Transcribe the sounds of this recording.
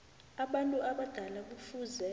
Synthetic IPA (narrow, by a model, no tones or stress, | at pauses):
aɓantʼuʔaɓad̥ʱalak̬ufuːzɛ